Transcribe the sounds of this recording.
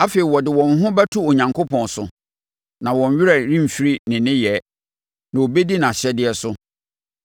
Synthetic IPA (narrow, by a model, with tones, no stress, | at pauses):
a˦fe˨i˨wɔ˨dɪ˨wɔ̃˨nɦʊ̃˦bæ˦tʰu˦o˨ɲã˨ŋkʰo˦pʰɔ̃˨nsʊ˨ | nã˨wɔ̃˨ɲ˦ɥɪ˦ɾa˨ɾĩ˦m̩˨fi˦ɾi˦nɪ̃˨nɪ̃˦jɛ˨˦ | nã˨wo˨be˦di˦nã˨ɕɛ˦dɪ˦ɛ˦sʊ˦